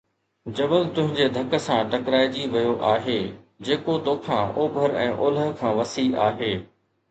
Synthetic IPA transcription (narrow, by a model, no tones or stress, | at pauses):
d͡ʑɐbəlt̪ʊ̃ɦɪ̃ɲd͡ʑed̪ʱɐkə̆sãʈɐkɾaːɪd͡ʑiʋɐjoʔaːɦeː | d͡ʑeːkot̪oːkʰãʔoːbʱəɾɛ̰̃ːʔʊːləkʰãːʋɐsiaːɦeː